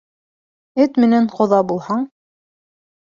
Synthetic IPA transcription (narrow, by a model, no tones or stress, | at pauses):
ɘt̪mɘ̆næɴqŏðɑbulˠhɑɴ